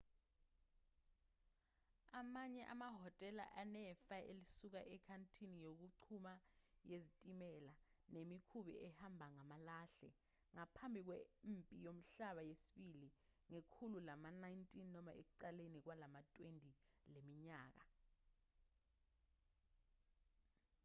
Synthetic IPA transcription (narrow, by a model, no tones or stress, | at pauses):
amaɲɛʔa̰maɦɔtʼɛla̰ʔanɛfaʔḛlisuk̬aʔɛkʰantʰinijok̬uǀʰumajezitʼimɛlanemikʰuɓɛ̰ʔɛhambʱaŋamalaːɬɛ̰ | ŋapʰambʱik̬wɛmpʼijom̩ɬaɓajesi̥ɓiliŋekʰululamanajntʼinːɔmaʔḛk̬uǀalenik̬walamatʼwendʱʼilemiɲaːk̬a